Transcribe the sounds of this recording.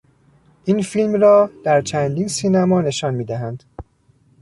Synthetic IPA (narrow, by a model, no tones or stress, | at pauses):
ʔiːnfilmrɒːd̪̥æɾt͡ʃʰænd̪iːnsiːnæmɒːne̞ʃɒnmiːd̪æɦænd̪̥